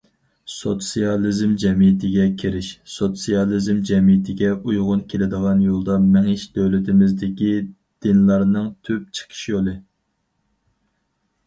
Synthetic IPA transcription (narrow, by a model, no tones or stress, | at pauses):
sot̪sijɑlˠizmd͡ʒɛmijɪt̪ʰɪɡʲɛkʲʰiɾɪʃsot̪sijɑlˠizmd͡ʒɛmijɪt̪ʰɪɡʲɛujʁʊnkʲʰelɪd̪əʁɑnjolˠd̪ɑmɛŋɪʃd̪øwlɪt̪ʰɪmɪzd̪ɪkʲi | d̪̥ɪnlˠɑɾnɨŋt̪ʰyp̚t͡ʃʰə̥qʰə̥ʃjolˠɨ